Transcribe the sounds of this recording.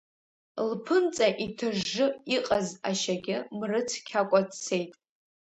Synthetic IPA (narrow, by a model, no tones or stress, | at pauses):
lpʰɨnt͡sʼaʔitʰɨʐːɨiqʼazaʃaɡʲɪmrɨt͡sʰkʲʰakʷʼat͡st͡sʰe̞jtʼ